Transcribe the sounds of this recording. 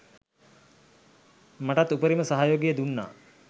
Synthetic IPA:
maʈat̪ːupəɾiməsaɦajoːɡijəd̪unːa̰ː

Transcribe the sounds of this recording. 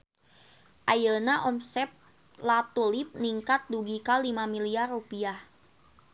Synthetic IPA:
ʔajənaʔɔmsɛp̚ | lat̪ulip̚niŋkat̪̚duɡikalimamiliarupiah

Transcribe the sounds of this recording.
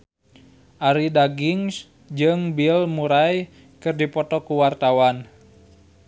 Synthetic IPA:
ʔaɾidaɡiŋs | d͡ʒɨŋbilmuɾaj | kɨrdipɔt̪ɔkuwart̪awan

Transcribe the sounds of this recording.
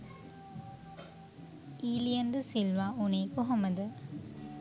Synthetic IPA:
iːlijɐnd̪əsilʋaːuneːkuɦɐməd̪ə

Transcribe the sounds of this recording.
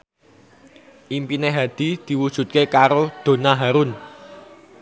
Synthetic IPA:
ʔimpineɦad̪̥i̤d̪̥i̤wud̥ʒ̥ṳt̪̚kekaɾod̪̥o̤naɦaɾʊn

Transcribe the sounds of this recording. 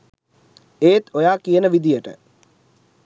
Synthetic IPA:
eːt̪ojaːkijənəʋid̪ijəʈə̰

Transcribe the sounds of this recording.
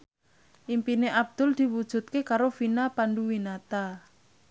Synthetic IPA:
ʔimpineʔab̚d̪̥ʊ̤ld̪̥i̤wud̥ʒ̥ṳt̪̚kekaɾofinapanɖuwinat̪a

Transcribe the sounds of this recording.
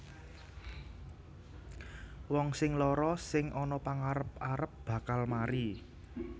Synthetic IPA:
wɔŋsɪŋlɔɾɔsɪŋɔnɔpaŋaɾəp̚aɾəp̚b̥ä̤kalmaɾi

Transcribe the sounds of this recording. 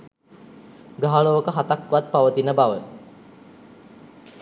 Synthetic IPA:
ɡaɦaɭoːkəɦat̪akːʋat̪̚paʋət̪inəbaʋə

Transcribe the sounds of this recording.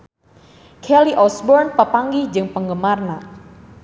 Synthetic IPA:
kʰɛliʔɔsbɔrnpəpaŋɡid͡ʒɨŋpəŋɡəmarna

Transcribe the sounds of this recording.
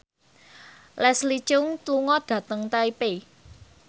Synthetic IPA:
lɛslit͡ʃʊŋt̪luŋɔd̥ä̤t̪əŋt̪aipe

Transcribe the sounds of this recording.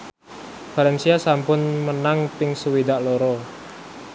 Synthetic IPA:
falɛnsiasampʊnmənaŋpɪŋsəwid̪aʔlɔɾɔ

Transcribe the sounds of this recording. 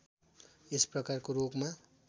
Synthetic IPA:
esprʌkarkorokma

